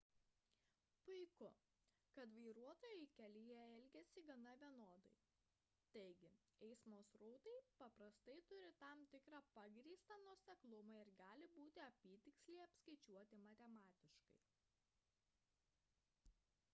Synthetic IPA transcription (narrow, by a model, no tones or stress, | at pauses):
pʊɪkʊ | kɐt̪ʋɐɪɾuɔt̪oːjɛɪkʲɛlʲɪjɛɛlʲɡʲɛsʲɪɡɐnɐʋʲiɛnoːd̪ɐ̰ɪ | t̪ɐɪɡʲɪ | ɛɪsmoːsɾɔʊt̪ɐɪpɐpɾɐst̪ɐɪt̪ʊɾʲɪt̪ɐmt̪ʲɪkɾɑːpɐɡɾʲiːst̪ɑːnuɔsʲɛklˠʊmɐɪɾɡɑːlʲɪbuːt̪ʲɪɐpʲiːt̪ʲɪksʲlʲɛɪɐpskɐɪt͡ʃʲuɔt̪ʲɪmɐt̪ʲɛmɑːt̪ʲɪʃkɐɪ